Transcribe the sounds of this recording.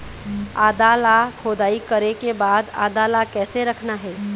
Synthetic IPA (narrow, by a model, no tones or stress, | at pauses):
a̰ːd̪alakʰoːd̪aːikɐɾekebaːd̪a̰ːd̪alakɛːseɾɐkʰnaɦɛː